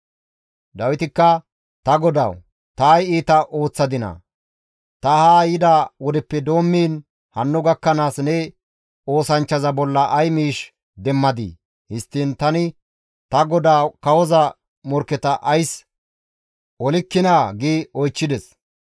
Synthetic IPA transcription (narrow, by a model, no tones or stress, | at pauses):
d̪ɐwɪt̪ɪkːɐ | t̪ɐɡɔd̪ɐ̰w | t̪aːjiːt̪ɐʔo̞ːt͡sːɐd̪ɪnɐ̰ | t̪ɐhaːjɪd̪aːwɔd̪ɛpːɛd̪o̞ːmːiːn | hɐnːʊɡɐkːɐnaːsnɛ | o̞ːsɐnt͡ʃːɐzɐbɔlːɐʔɐjmiːʃ | d̪ɛmːɐd̪ḭː | hɪst̪ːiːnt̪ɐnɪ | t̪ɐɡɔd̪aːkɐwɔzɐ | mɔɾkːɛt̪ɐʔɐjs | ʔɔlɪkːɪnaːɡiːɔjt͡ʃːɪd̪ɛs